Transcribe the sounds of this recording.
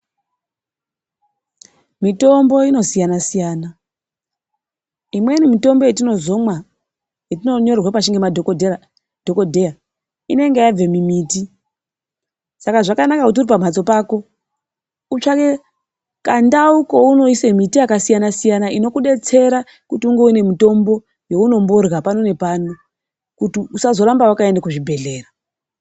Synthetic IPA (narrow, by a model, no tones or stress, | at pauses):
mito̞mbo̞ino̞sijanasijaːna | imwe̞nimito̞mbo̞jetino̞zo̞mwa | jetino̞ɲo̞rrwapaʃiŋɡemad | d̥ʱoko̞dʱe̞a | ine̞ŋɡejab͡ve̞mimiːti | sakaʐakanakakut̬iuɾipam̤at͡so̞paːko̞ | ut͡ʃake̞ | kandauko̞uno̞isemitijakasijanasijanaino̞kuɗe̞t͡se̞ɾa | kutiuŋɡe̞une̞mito̞mbo̞ | jo̞uno̞mbo̞rɣapano̞ne̞paːno | kutiusazo̞ɾambawakae̞ndakuʐibʱe̞ɮe̞ːra